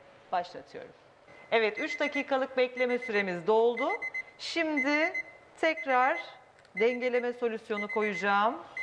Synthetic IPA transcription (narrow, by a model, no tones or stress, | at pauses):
b̥aʃlˠa̰t̪ʰɯjo̞̰ɾum | ɛvɛt̪yt͡ʃd̪aciːkʰalˠɯk̚bɛclʲe̞mɛsyɾe̞mizd̪ɛo̞lˠd̪ʊʃimd̪ɪ | t̪ʰɛcɾaɾ̥ | d̪ɛɲɟelʲe̞mɛso̞lʲysjo̞nukʰo̞jud͡ʒaːm